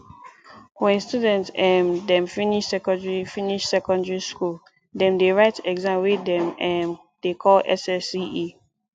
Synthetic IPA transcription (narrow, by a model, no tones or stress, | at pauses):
wɛ̃nstudɛ̃ntsɛmdɛ̃mfiniʃsɛkɔ̃ndɹifiniʃsɛkɔ̃ndɹiskul | dɛ̃mdeɹaɪtɛɡzãmwedɛ̃mɛm | d̥ekʰɔlɛ̰sɛsii